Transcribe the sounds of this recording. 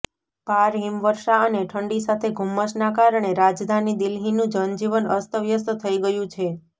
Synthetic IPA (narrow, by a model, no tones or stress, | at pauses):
paɾɦimʋəɾʃaəneʈʰəɳɖisat̪ʰeɡʱumːəʃnakaɾəɳ̃eɾad͡ʒd̪ʱanid̪ilɦinũd͡ʒənd͡ʒiʋənəst̪əʋjəst̪t̪ʰəiɡəjũt͡ʃʰe